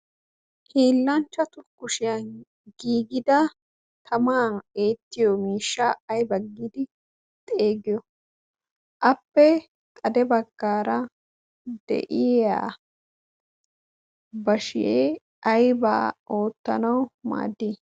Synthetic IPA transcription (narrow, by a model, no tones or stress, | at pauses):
hiːlːɐnt͡ʃːɐt̪ʊkːʊʃɪjɐn | ɡiːɡɪd̪ɐ | t̪ʰɐmaːneːt̪ːɪjɔmiːʃːɐːjbɐɡid̪ɪ | t̪ʼe̞ːɡɪjɔ | ʔɐpːɛ | t̪ʼɐd̪ɛbɐɡːaːɾɐ | d̪̥ɛ̰ʔɪa̰ː | bɐʃɪje | ɐjba̰ːʔoːt̪ːɐ̰nɐwma̰ːd̪ːiː